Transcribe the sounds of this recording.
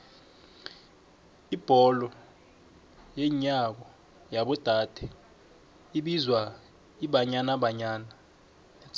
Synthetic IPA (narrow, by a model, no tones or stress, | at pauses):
ib̥ʱɔlɔ | jeɲak̬ɔ | jaɓɔd̥ʱad̥ʱɛ | iɓizwa | iɓaɲanaɓaɲaːna